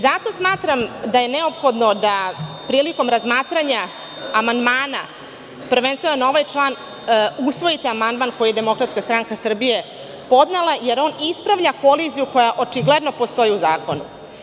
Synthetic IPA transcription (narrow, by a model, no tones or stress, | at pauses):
zat̪o̞smaːt̪ɾamd̪aje̞neo̞pxo̞d̪no̞d̪apɾiːliko̞mɾazmaːt̪ɾaɲaː | mand̪maːna̰ | pr̩ʋenst̪ʋenanao̞ʋajt͡ʂlˠaːn | usʋo̞jit̪eamand̪maːnko̞jied̪e̞mo̞kɾat̪skast̪ɾaŋkasr̩bije̞ | po̞d̪nelˠaje̞ɾo̞ːnispɾaʋʎako̞lizijuko̞jaʔo̞t͡ʂiɡle̞d̪no̞po̞st̪o̞jiuzaːko̞nṵ